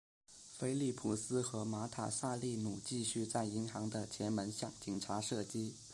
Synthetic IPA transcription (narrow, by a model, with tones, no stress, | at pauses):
fe˥ɪli˥˩pʰu˨˩sɹ̩˥xɤ˧˥ma˧˥t̪ʰa̰˨˩sa˥˧li˥˩nu˨˩t͡ɕi˥˧ɕy˥˧t͡sa˥˩ɪi˧˥ŋxɑ˧˥ŋd̪ə˧t͡ɕʰjɛ˧˥nmə˧˥nɕjɑ˥˩ŋt͡ɕi˨˩ŋʈ͡ʂʰa˧˥ʂɤ˥˩t͡ɕi˥